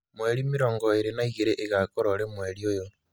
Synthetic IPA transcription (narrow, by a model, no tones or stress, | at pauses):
mweɾimiɾoŋɡoiɾenaiɣeɾeʔːɣakoɾoɾemweɾiojo